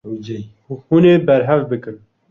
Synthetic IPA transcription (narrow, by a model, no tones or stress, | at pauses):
huneːbɛɾɦɛvbɨkɨm